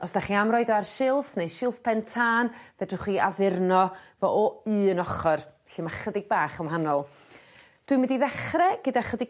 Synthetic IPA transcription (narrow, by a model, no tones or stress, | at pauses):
ɔsd̥aχiamrɔjdɔarʃɪlˠfnejʃɪlˠfpʰɛntʰaːnvɛdrʊχiavɪrnɔvɔʔɔɨːnɔχɔrvɛɬimaχədɪɡ̚baːχəmɦanɔlˠ | d̥wɨmɪndiðɛχrɛɡ̥ədaχədɪɡ